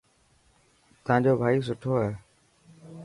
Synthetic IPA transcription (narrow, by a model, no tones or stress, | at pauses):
t̪əãːɲd͡ʑoːbʱaːiːs̬ʊʈʰoːɦɛː